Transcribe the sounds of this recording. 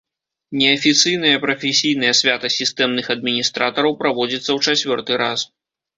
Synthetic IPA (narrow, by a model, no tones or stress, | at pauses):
nʲɛɐfʲit̪sɨjnɐjɐpɾɐfʲɛsʲijn̪ɐjɐsʲvʲat̪ɐsʲist̪ɛmnɨxɐd̪̚mʲinʲist̪ɾat̪ɐɾɐwpɾavɔd͡zʲit̪sːɐwt͡ʂat͡sʲvʲɔrt̪ɨɾas